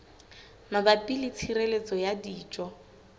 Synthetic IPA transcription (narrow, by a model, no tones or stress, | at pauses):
mabapʼilɪt͡sʰirelet͡sʼɔjadiːt͡ʃʼɔ